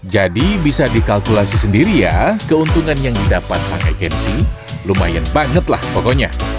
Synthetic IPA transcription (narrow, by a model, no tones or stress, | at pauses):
d͡ʒadibisadikalkulasisəndiɾijakəunt̪uŋanjaŋdidapat̪̚sa̰ŋɛ̰kɛnsi | luma̰janbaŋət̪lahpokoɲa̰